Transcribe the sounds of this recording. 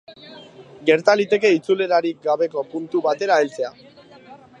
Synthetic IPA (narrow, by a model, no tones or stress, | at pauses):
ɡe̞ɾt̪alit̪e̞ke̞it͡sule̞ɾaɾik̚ɡaβe̞ko̞punt̪uβat̪e̞ɾaelt͡se̞a